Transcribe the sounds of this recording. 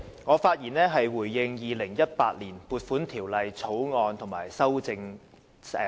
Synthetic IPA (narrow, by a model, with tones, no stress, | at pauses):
ŋɔː˨˧faː˧t̚jiː˨˩nɛː˥ɦɐ˨jwuː˨˩jːɪ˧ŋjiː˨˧lɪ˨˩ŋjɐ˥t̚pa̰ː˧t̚liː˨˩npuː˨˧t̚fuː˨˥nt̪ʰiː˨˩wlɐ˨jt͡sʰo˨˥wŋɔː˧nt̪ʰʊ˨˩ŋmaː˨˩jsɐ˥wt͡sɪ˧ŋ˧